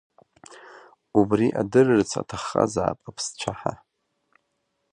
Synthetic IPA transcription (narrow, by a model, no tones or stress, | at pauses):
ubriʔadɨrrt͡sʰa̰tʰaχːa̰zaːpʼapʰst͡ʃʷʰaħa